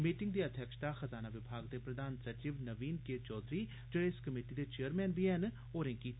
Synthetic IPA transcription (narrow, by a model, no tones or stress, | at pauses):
miːʈɪŋɡd̪iːəd̪ʱjəkʃt̪aːxəzaːnaːʋɪbʱaːɡd̪eːpɾəd̪aːnsəɾt͡ʃiːʋnəʋiːnkeːt͡ʃɔːd̪ɾiː | d͡ʒeːɽeːɪskəmeːʈiːd̪eːt͡ʃeːəɾmɛːnbʱiːɦən | oːɾẽːkiː